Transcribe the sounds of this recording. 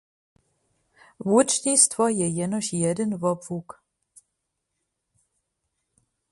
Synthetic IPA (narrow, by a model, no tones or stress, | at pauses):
vut͡ʃɲist̪vojɛjɛnoʃjɛdənvobvuk